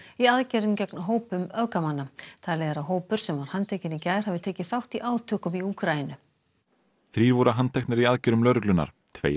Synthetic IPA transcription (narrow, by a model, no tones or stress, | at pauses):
iaðcɛɾʏmcɛknaɦoːwpʏmœðkamanːat̪ʰaːleːɣaɾaɦoːwpʏɾ̥sɛmvaɾ̥hant̪ʰɛcɪnicaːjɾ̥havɪt̪ʰeːcɪθawht̪iʔaːwt̪ʰœːkʏmiukʰɾajɪnʏ | θɾiːɾvuɾaɦant̪ʰɛxknɪɾiaðcɛɾʏmlœːɾʏklʏnːa̰ɾ̥ | t̪ʰvḛːj